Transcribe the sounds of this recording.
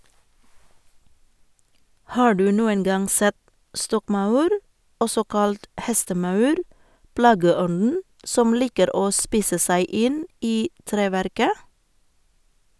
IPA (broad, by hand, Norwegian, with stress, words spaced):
ˈhɑː ˈɖʉː ˈnuːəŋ ˈɡɑŋ ˈsɛt ˈstɔkˌmɑʉɾ ˈɔsɔ ˈkɑlt ˈhɛstəˌmɑʉɾ ˈplɑːɡəˌɔnn̩ ˈsɔm ˈliːkəɾ ˈoː ˈspiːsə ˈsæɪ ˈɪn ˈiː ˈtɾeːˌʋæɾkə